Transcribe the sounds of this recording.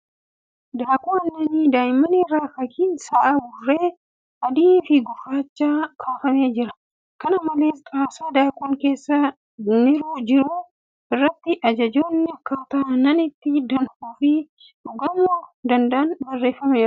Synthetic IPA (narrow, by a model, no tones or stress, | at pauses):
d̪aːkʼuɐnːɐnid̪aːjmɐnɪrːaːfɐkiːnsɐʔabʊrːe̞ː | ʔɐd̪iːnfɪɡʊrːaːt͡ʃːaːkʰaːfɐme̞ːd͡ʒɪɾɐ̥ | kɐnɐmɐle̞ːskʼaːsaːd̪aːkʼuːŋke̞ːsːɐ | nɪɾud͡ʒɪɾuː | ʔɪrːɐt̪ːɪʔɐd͡ʒɐd͡ʒoːnːɪɐkːaːt̪aːnːɐnɪt̪ːɪd̪ɐnhuːfi | ᶑʊɡɐmuːd̪ɐnd̪ɐʔɐnbɐrːe̞ːfːɐme̞ːɾɐ